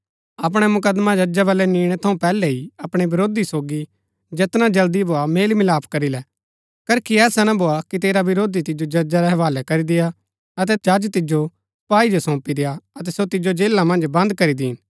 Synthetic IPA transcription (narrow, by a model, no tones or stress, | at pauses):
ɐp̬ɽ̃ɛmʊkəd̪mad͡ʒɐd͡ʒabɐlɛniːɽ̃ɛt̪ʰɐũpɛːlɛɦiɐpɽ̃ebɪɾoːd̪isoːɡi | d͡ʒet̪nad͡ʒɐld̪ibʱoameːlmɪlaːpʰkɐɾilɛ | kɐɾkʰiɛːsanãbʱoakit̪eːɾaʋɪɾoːd̪it̪ɪd͡ʒod͡ʒɐd͡ʒaɾɛɦɐʋaːlɛkɐɾid̪ɪja | ɐt̪̬ɛd͡ʒad͡ʒt̪ɪd͡ʒo | paːid͡ʒosɔ̃ːpid̪ɪjaɐt̪ɛsot̪ɪd͡ʒod͡ʒeːlamɐ̃nd͡ʒbɐ̃nd̪kɐɾid̪iːn